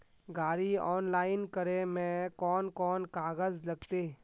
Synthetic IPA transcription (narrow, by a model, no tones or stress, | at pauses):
ɡaːɾiɔːnlaːɪnkəɾẽmẽkɔːnkɔːnkaːɣəzlɐɡt̪eː